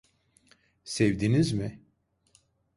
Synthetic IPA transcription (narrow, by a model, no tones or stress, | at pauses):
sevd̪inizmɪ